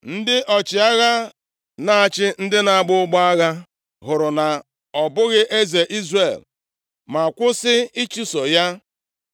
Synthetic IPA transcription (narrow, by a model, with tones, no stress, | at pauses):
n̩˦dɪ˦ʔɔ˨t͡ʃɪ˨a˦ɣa˦ | na˨a˨t͡ʃɪ˦n̩˦dɪ˦na˨a˦˨ɡ͡bʊ˦ɡ͡ba˦a˦ɣa˦ | ɦʊ˨ɾʊ˨na˨ | ɔ˨bʊ˦ɣɪ˦ʔe˦ze˨ʔi˦zre˨l | ma˨kʷʊ˦sɪ˦i˦t͡ʃu˦so˨ja˦